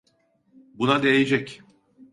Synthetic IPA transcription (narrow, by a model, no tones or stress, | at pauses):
bunad̪e̞jed͡ʒɛc